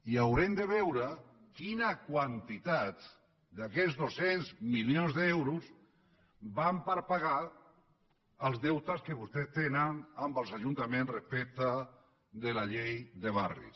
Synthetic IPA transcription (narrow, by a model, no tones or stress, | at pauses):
iawɾemd̪əβɛwɾə | kinakwant̪it̪at̪ | d̪akɛzðosenzmilionzðewɾuz | bampəɾpaɣa | əlˠzðɛwt̪askeβust̪est̪enənambəlˠzaʒunt̪amẽnsrespɛk̚t̪a | ðelaʎejðeβ̞arḭs